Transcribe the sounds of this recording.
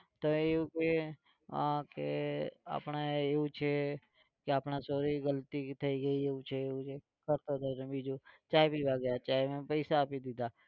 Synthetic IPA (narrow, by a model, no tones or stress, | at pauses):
t̪oeũke | ã̰kea̰ːpnaeːɦũt͡ʃʰe | keaːpnasoːɾiɡəlt̪it̪ʰəiɡəieːũt͡ʃʰeeːũt͡ʃʰe | kəɾt̪ot̪ʰotẽbid͡ʒot͡ʃaːebʱibaɡəjat͡ʃaːemẽpəɪsaːpid̪ɪd̪aː